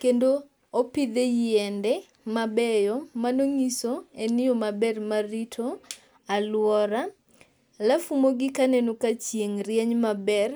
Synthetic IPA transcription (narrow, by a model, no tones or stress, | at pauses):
kendoː | pid̪ejɛndɛ | mabɛjɔmanoŋisoenɪomabɛrmaɾitʰo | alwɔɾa | lafumoɡɪkanenokat͡ʃjeŋɾjɛɲmabɛr